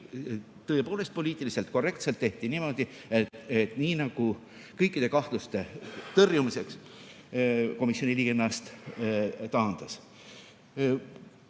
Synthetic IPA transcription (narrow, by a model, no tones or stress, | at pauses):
t̪ɤ̞epo̞ːle̞st̪̚po̞lʲiːt̪ːˑilise̞lt̪̚ˑko̞rːe̞kt̪selt̪ːe̞ht̪inimo̞d̪̥i | etet̪niːnɑɡ̥u | kɤjkːˑid̪e̞kɑht̪lust̪e̞t̪ɤrjumise̞ks | ko̞misːio̞niliːɡenɑst̪ | t̪ɑɦɑnd̪̥ɑs